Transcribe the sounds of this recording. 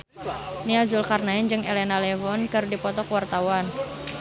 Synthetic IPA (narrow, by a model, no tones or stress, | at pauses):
niazʊlkarnaɪnd͡ʒɨŋḛlenalɛvɔnkəɾudipɔt̪ɔkəwart̪awan